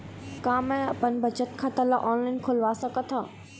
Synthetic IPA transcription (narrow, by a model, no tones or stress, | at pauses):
kaːmɛ̃ɐpənbʱɐt͡ʃət̪kʰãt̪ɐlaʔɔːnlaɪnkʰʊlʋaːsɐkət̪ʰa